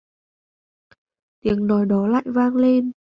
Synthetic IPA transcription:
t̪i˨˩˦əŋnɔ˨˩jɗɔ˨˦la̰ː˧˨jvaː˧ŋle˧n

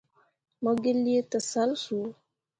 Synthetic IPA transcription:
mɔ˦ɡe˦li˦e˦tə˨sa˨˦lsu˨˦

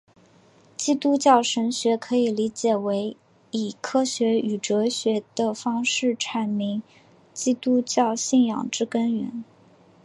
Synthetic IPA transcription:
t͡ɕi˥˧t̪u˥t͡ɕjɑ˥˩ʊʂə˧˥nɕɥɛ˧˥kʰɤ˧˥i˨˩li˧˥t͡ɕjɛ˨˩we˧˥ɪ | i˨˩kʰɤ˥ɕɥɛ˧˥y˨˩ʈ͡ʂɤ˧˥ɕɥɛ˧˥d̪̥ə˧fɑ˥ŋʂɻ̩˥˩ʈ͡ʂʰa˨˩nmi˧˥ŋ | t͡ɕi˥t̪u˥t͡ɕjɑ˥˧ʊɕi˥˩njɑ̰˨˩ŋʈ͡ʂɻ̩˥kə˥nɥɛ̰˧˥n

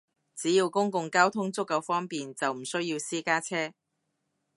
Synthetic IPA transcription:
t͡siː˨˥jiː˧wkʊ˥ŋkʊ˧ŋkaː˥wt̪ʰʊ˥ŋt͡sʊ˥kːɐ˨˧wfɔː˥ŋpiː˨nt͡sɐ˨wm̩˨˩sɵ˥ɥjiː˧wsiː˥kaː˥t͡sʰɛː˥

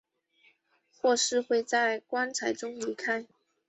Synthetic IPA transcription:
xwɔ˥˧ʂɻ̩˥˧xwe˥˧ɪt͡sa˥˩ɪkwa˥nt͡sʰa˧˥ɪʈ͡ʂʊ˥ŋli˧˥kʰa˥ɪ

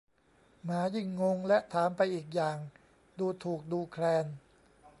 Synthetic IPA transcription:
maː˩˦ji˧˩ŋːo˧ŋlɛ˦˥ʔt̪ʰaː˩˦mpa˧jʔiː˨˩k̚jaː˨˩ŋ | duː˧t̪ʰuː˨˩k̚duː˧kʰlɛː˧n

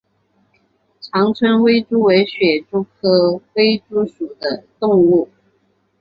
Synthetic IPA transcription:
ʈ͡ʂʰɑ˧˥ŋt͡sʰwə˥nwe˥ɪʈ͡ʂu˥we˧˥ɪɕɥɛ˨˩ʈ͡ʂu˥kʰɤ˥we˥ɪʈ͡ʂu˥ʂu˨˩d̪ə˦t̪ʊ˥˧ŋu˥˩

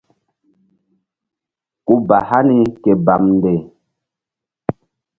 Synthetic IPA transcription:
ku˦ba˨ha˦ni˦ke˨ba˨mnde˨

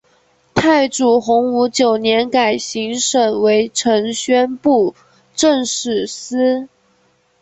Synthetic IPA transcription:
t̪ʰa˥˩ɪʈ͡ʂu˨˩xʊ˧˥ŋu˧˥t͡ɕjo˨˩ʊnjɛ˧˥nka˨˩ɪɕi˧˥ŋʂə˨˩nwe˧˥ɪʈ͡ʂʰɤ˧˥ŋɕɥɛ˥npu˥˧ | ʈ͡ʂə˥˧ŋʂɻ̩˨˩sɹ̩˥

